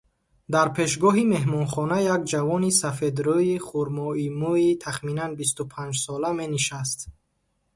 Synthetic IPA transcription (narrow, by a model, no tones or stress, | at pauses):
d̪aɾpʰe̞ʃ̬ɡɔɦime̞ɦmɔnχɔnajaɡd͡ʒavɔnisafed̪ɾɔiχuɾmɔimuit̪ʰaχminanbist̪upʰãnd͡ʒsɔlame̞niʃast̪